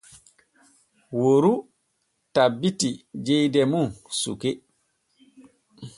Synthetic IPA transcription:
woɾu | tabːitid͡ʒejdɛmunsṵke

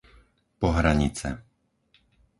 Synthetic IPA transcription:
pɔɦɾaɲit͡sɛ̰

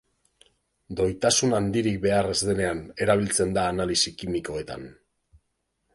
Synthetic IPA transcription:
d̪o̞jt̪asunand̪iɾik̚be̞arezðe̞ne̞ane̞ɾaβ̞ilt͡se̞nd̪aːnalisikimiko̞e̞t̪a̰n

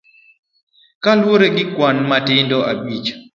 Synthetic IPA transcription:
kalwoɾeɡɪkwanmatɪndɔʔabit͡ʃ

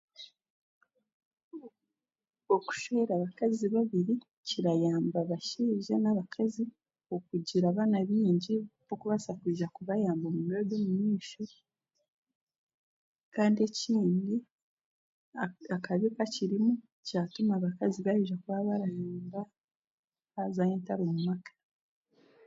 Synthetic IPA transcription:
oku̥ʃeeɾaβakaziβaβiɾi | ciɾajaːmbaβaʃiːʒe̞naβakʰazi | okuɟiɾaβaːnaβiːɲɟikokuβasakwiːʒakuβajaːmbomumeɾoɡomumiːʃo | kaːndie̞ciːndi | akaβikaciɾimu | ciatumaβakaziβajuʒakuβaβaɾajaːmba | βazaheːntaɾomumakʰḁ

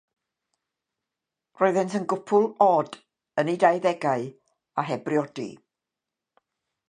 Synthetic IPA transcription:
roɨðɛntənɡʊpʰʊlˠɔːd | ənidajðɛɡaɨ | aɦɛbriɔdḭ

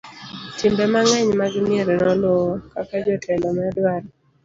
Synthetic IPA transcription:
tɪmbɛmaŋɛɲmaɡɪmɪeɾɛnɔlwɔkakad͡ʒɔtʰɛndɔmɛɔdwaɾ

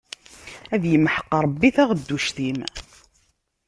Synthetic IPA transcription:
æðjəmːħə̥qːɾˤəbːiθæʁd̪ːuʃθim

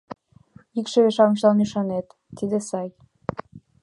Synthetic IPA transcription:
ikʃeβeʃɑmʃɑnyʃɑnet̪ːid̪esɑj

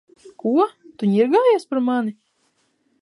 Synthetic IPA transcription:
kuɔt̪uɲiɾɡaːjaːspaɾmani

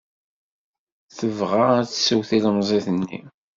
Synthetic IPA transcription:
θəvʁaæt͡sːsuwθilmzˤeθənːḭ

